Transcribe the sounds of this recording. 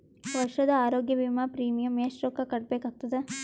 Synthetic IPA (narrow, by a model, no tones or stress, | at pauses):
ʋɐɾʂɐd̪ɐaːɾoːɡjɐbimapɾiːmijɐmeʃɾoːkɐkɐɽ̚beːkaːɡ̚t̪ɐd̪e